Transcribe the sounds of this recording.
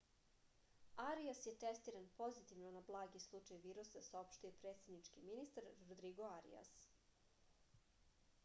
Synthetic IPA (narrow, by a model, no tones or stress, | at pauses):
aɾiasjet̪est̪iːɾanpo̞zit̪iʋnonablˠaːɡislˠut͡ʃajʋiːɾusasaopʃt̪uje̞pɾe̞t̪sʲe̞d̪nit͡ʂkiminist̪aɾɾod̪ɾiɡoaɾḭa̰s